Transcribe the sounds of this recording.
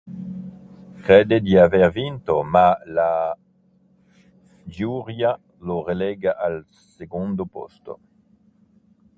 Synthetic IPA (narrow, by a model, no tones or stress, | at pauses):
kʁed̪ed̪iaveʁvint̪omala | fd͡ʒuʁja | loʁeleɡaʔal | seɡond̪opo̰st̪o̰